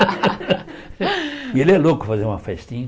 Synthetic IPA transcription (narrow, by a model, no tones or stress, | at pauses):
ielɪɛlokʊ̥fazeɾũmɐfɛst̪ĩɲ